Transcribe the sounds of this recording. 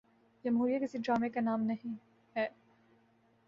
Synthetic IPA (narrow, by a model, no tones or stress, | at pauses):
d͡ʒɐmɦuːɾijakɪsiɖɾaːmekanaːmnɐɦĩ | ɦɛː